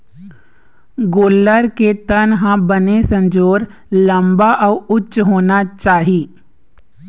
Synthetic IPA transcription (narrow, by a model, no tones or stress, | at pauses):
ɡoːlːəɾket̪ənɦãbənesɐ̃nd͡ʒoːɾ | lɐ̃mbaʔɔʊtːʃɦoːnat͡ʃaːɦiː